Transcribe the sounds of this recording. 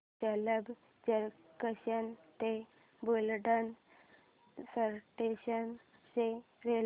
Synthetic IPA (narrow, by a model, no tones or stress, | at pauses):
d͡ʑələb | d͡ʑəɾkəɕənt̪e | bulɖən | səɾʈeɕən | se | ɾel